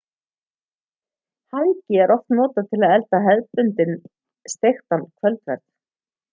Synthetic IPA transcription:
haŋcɪɛɾɔft̪nɔːt̪at̪ʰɪlaðɛlt̪aɦɛðpʏnt̪ɪn | st̪ext̪ankʰvœlt̪vɛ̰ɾt̪

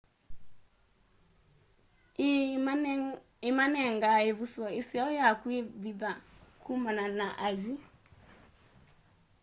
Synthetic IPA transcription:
emanɛŋɡaevusɔesiaɔjakweðiðakʰumananaʔad͡ʒi

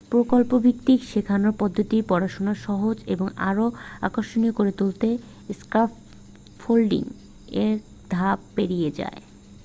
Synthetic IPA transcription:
pɾokolpobʱik̚t̪ikʃekʰanoɾpɔd̪ʱːot̪ipɔɾaʃonaʃɔɦod͡ʑeboŋa̰ɾoa̰koʃoniokoɾet̪ult̪e | skaf | folɖḭŋ | eɾ | d̪ʱab̚peɾijed͡ʑa̰e

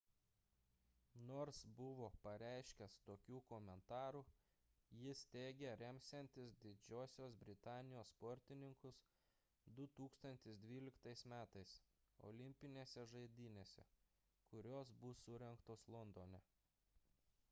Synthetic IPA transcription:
noːɾsbʊʋoːpɐɾʲæˑɪʃʲkʲɛst̪oːkʲuːkoːmʲɛnt̪ɑːɾuː | jɪst̪ʲeːɡʲɛɾʲɛmʲsʲɛnʲt̪ʲɪsd̪ʲɪd͡ʒʲoːsʲoːsbʲɾʲɪt̪ɑːnʲɪjoːsːpɔɾʲt̪ʲɪnʲɪŋkʊs | d̪ʊt̪uːkst̪ɐnʲt̪ʲɪsd̪ʲʋʲiːlʲɪkt̪ɐɪsmʲæːt̪ɐɪso̰ːlʲɪmʲpʲɪnʲeːsʲɛʒɐɪd̪ʲiːnʲeːsʲɛ̰ | kʊɾʲoːsbʊsʊɾʲɛŋkt̪oːslˠɔnd̪oːnʲɛ

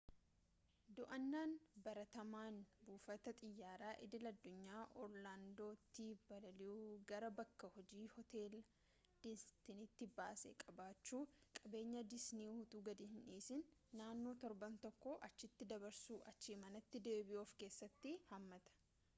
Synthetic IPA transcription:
d̪ʊʔɐnːaːnbɐɾɐt̪ɐmaːnbuːfɐt̪ɐt̪ʼɪjːaːɾaːʔɪ̰d̪ɪlɐd̪ːʊɲːaːʔɔɾlaːnd̪o̞ːt̪ːibɐlɐlɪuːɡɐɾɐbɐkːɐhɔd͡ʒiːhɔt̪e̞ːl | d̪̥ɪst̪ɪnɪt̪ːɪbaːsɛ̰kʼɐbaːt͡ʃːuːkʼɐbe̞ːɲːɐd̪ɪsniːhʊt̪ʼuːɡɐd̪ɪhɪnʔiːsɪnːaːnːo̞ːt̪ɔɾbɐnt̪ɔkːɔʔɐt͡ʃːɪt̪ːɪd̪ɐbɐɾsuːʔɐt͡ʃːiːmɐnɐt̪ːɪd̪e̞ːbɪʔoːfke̞ːsːɐt̪ːɪhɐmːɐt̪ɐ̥

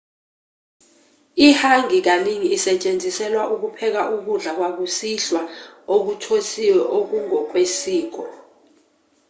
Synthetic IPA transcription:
ihaŋik̬aniŋiːsɛt͡ʃʼend͡zʱisɛlwaʔuk̬upʰɛk̬aʔuk̬uɮak̬wak̬usiɬwaok̬utʰosiwɛʔok̬uŋɔk̬ʼwesiːk̬ɔ

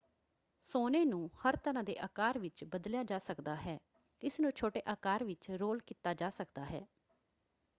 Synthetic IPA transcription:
soːneːnũːhəɾt̪əɾãːd̪ḛːʔaːkaːɾʋɪt͡ʃbəd̪ljaːd͡ʒaːsəkd̪aːɦɛː | ɪsnũːt͡ʃʰoːʈeːʔaːkaːɾʋɪt͡ʃɾoːlkiːt̪aːd͡ʒaːsəkd̪aːɦɛ̰ː

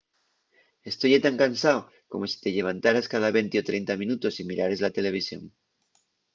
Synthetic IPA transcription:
est̪ojat̪aŋkansao | komosi̥t̪eʎe̞β̞ant̪aɾaskaðaβent̪eot̪ɾejnt̪amĩnut̪o̞simiɾaɾe̞zlat̪e̞le̞β̞isjo̰n

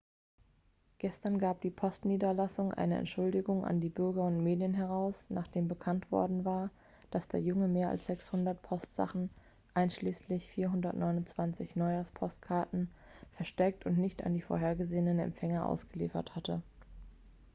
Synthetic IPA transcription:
ɡ̥ɛstɐnɡaːp̚d̥iːpʰɔstniːdɐlasʊŋʔa̰ɪnəʔɛ̰ntʃʊldɪɡʊŋʔa̰ndiːbʏɐɡɐʊntmeːdjənɦɛʁaʊsna̰ːχd̥eːmbəkʰantv̥ɔ̰ɐdn̩vaːɐ | d̥asd̥ḛːɐjʊŋəmeːɐa̰lsz̥ɛkshʊndɐtpʰɔstz̥a̰χn̩ | ʔaɪnʃliːslɪçfiːɐɦʊndɐtnʔɔʏnʊnt͡sv̥ant͡sɪçnɔʏaspʰɔstkʰaɐtn̩ | fɛɐʃtɛk̚tʊntnɪçta̰ndiːfo̰ɐɦeːɐɡəzeːənənɛ̰mpfɛŋɐʔa̰ʊsɡ̥əlḭːfɐ̰thatə

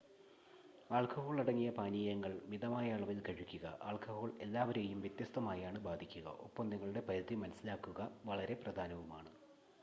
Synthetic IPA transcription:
aːɭkɐho̞ːɭiɽɐŋːijɐpaːniːjɐŋːɐɭmiðɐmaːjaːɭɐʋilkʰɐɻikʲːuɣɐ̰ʔa̰ːɭkɐho̞ːɭe̞lːaːʋɐɾejumʋjɐt̪jɐst̪ɐmaːjaːɳɨbaːd̪ʱikʲːuɣɐ̰ʔo̰pːɐmniŋːɐɭuɽe̞pɐɾɐd̪imɐnɐsilaːkːuɣɐʋɐɭɐɾe̞prɐd̪ʱaːnɐʋumaːɳɨ

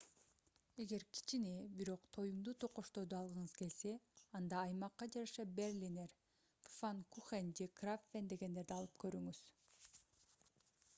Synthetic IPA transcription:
e̞ɡe̞ɾkʰi̥t͡ʃinibiɾo̞qt̪ʰo̞jumd̪ut̪ʰoqo̞ʃt̪o̞ːd̪uɑlˠʁɯɴɯzke̞lse̞ɑnd̪ɑːjmɑqːɑd͡ʒɑɾɑʃɑberlʲineɾ | pfankuχend͡ʒekrafːend̪e̞ɡe̞nd̪e̞ɾd̪iɑlˠɯp̚kø̞ɾyŋyz̥

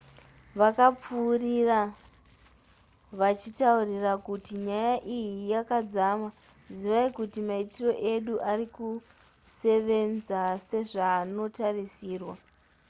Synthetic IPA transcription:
ʋakap͡fuːrira | ʋat͡ʃitaurirakutiɲajaʔijijakad͡zama | ziʋaikutimaitiro̞ʔe̞ɗuʔariku | se̞ʋe̞nd͡zase̞ʐaːno̞tarisiːrwa

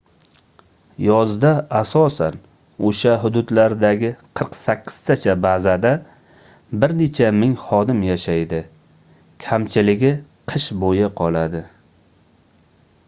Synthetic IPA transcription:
jɒzd̪aːsɒsa̰n | oʃaɦʊd̪ʊd̪laɾd̪aɡʲɪqʰɨɾqsakʲʰːɪ̥z̥t̪ʰat͡ʃʰabazad̪a | bɪɾnet͡ʃʰamɪŋχɒd̪ɪmjaʃajd̪ɪ | kʲʰamt͡ʃʰɪlɪɡʲɪqʰɨʃbojɪqʰɒlˠad̪ɪ

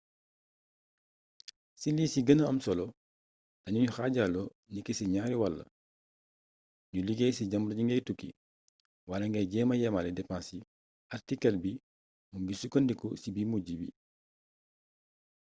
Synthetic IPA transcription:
siliːsiɡɐnɐɐmsɔlɔ | dɐɲuɲuxaɟalɔ | nikːɛsiɲaːɾiwɐlːɐ̰ | ɲuliɡɛsiɟɐmɾɲuŋɡɐjtukːḭ | walɐŋɡɐjɟɛːmɐjɛmalɛdɛpãnsi | artikɐlbi | muɡisukondikɔsibimuɟibḭ

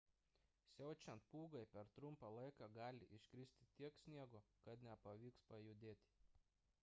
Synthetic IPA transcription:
sʲɛʊt͡ʃʲɛnt̪̚puːɡɐɪpʲɛɾt̪ɾʊmpɑlˠɐɪkɑːɡɑːlʲɪʔɪʃʲkɾʲɪsʲt̪ʲɪt̪ʲiɛksʲnʲiɛɡokɐt̪nʲɛpɐʋʲiːkspɐjʊd̪ʲeːt̪ʲ

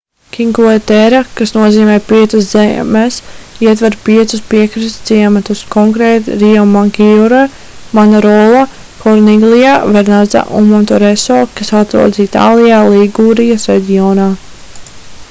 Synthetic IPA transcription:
kʲiŋkuet̪ɛɾakasnuɔziːmɛːpiɛt̪saszɛ̰ːmɛsiɛt̪vɛɾpiɛt̪suspiɛkɾist̪siɛmat̪uskɔŋkɾeːt̪ɾiɔmaŋkiuɾa | manɛɾɔːlˠa | kɔɾniɡlˠijaːvɛɾnaza̰ʔṵnmɔnt̪ɔɾɛsɔːkasat̪ɾṵɔd̪zit̪a̰ːlˠijaːlˠiɡuːɾijasɾɛ̰dʲiɔːnaː

